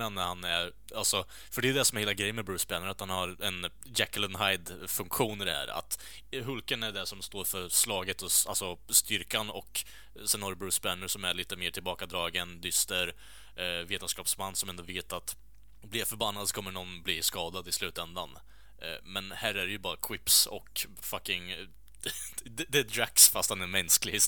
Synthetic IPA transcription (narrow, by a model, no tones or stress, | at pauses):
ɛnːɾhanæɾ | alsɔ | fœɖɛd̪ɛsɔmɛheːlaɡɾɛjːənmɛbɾʉːsbænːəɾat̪hanhaɾɛn | d͡ʒækələnɦajd̪fɵŋkɧuːnɪd̪ɛhæ̰ːɾa̰t̪ | ɦɵlkənæɖɛʂɔmst̪oːɾfœɾslɑːɡət̪ɔalsɔst̪ʏɾkanɔ̰k | sɛnhaɾəbɾʉ̟ːsbænːəɾʂɔmæɭiːt̪əmeːʈʰɪlbɑːkad̪ɾɑːɡənd̪ʏst̪əɾ | veːt̪ənskɑːpsmanːsɔmɛnoveːt̪at̪ | blɪɾfœɾbanːad̪sɔ̥kʰɔmːəɳɔnːbliskɑːd̪ad̪ɪslʉ̟ːt̪ɛnd̪an | mɛnhæːɾæɾɛjɵbɑːɾakʰwɪpsɔ̰k | fakːɪŋ | d̪ɛd̪ɛd̪ɾaksfast̪hanɛɾmɛnsklɪ